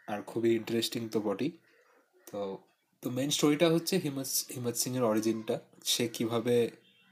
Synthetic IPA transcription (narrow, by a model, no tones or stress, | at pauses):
aɾkʰubiiɳʈɐɾesʈiŋt̪opɔʈi | t̪o | t̪omejnsʈoɾiʈaɦotːɕʰeɦimhimat̪siŋeɾɔɾid͡ʑinʈaʃekibʱabe